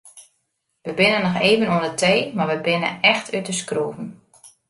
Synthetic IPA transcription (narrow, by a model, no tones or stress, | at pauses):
ʋəbɪnənːɔxeːvənuəndətʰeːmaʋəbɪnə̰ɛxtytəskruːvən